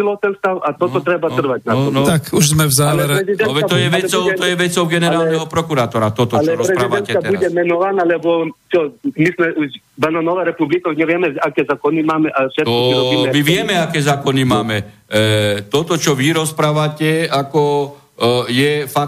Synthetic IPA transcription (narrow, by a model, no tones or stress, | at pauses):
ilˠɔt̪ɛnst̪awat̪ɔt̪ɔt̪ɾɛbar̩ʋatnaɔnɔt̪akuʒzmɛvzaːlɛɾɛɾɛzid̪ɛɔʋɛat̪ɔjɛʋɛt͡sɔʊɔjɛʋɛt͡sɔʊɡɛnɛɾaːlnnɛɦɔpɾɔkuɾaːt̪ɔɾat̪ɔt̪ɔlt͡ʃɛɾɔsɾɛpɾaidʋ̪ɛnɛauɟɛmɛnɔʋanalɛbɔt͡ʃɔmismɛʔuʃ | banɔnɔʋaɾɛpublikɔɲɛʋɪɛmɛakɛːzaːkɔnimaːmɛʔafʃɛt̪ɔiɾɔbiɛmiʋɪjɛmɛakɛːzaːkɔnimaːmɛ | t̪ɔt̪ɔt͡ʃɔʋiɾɔspɾaːʋacɛakɔ | jɛfa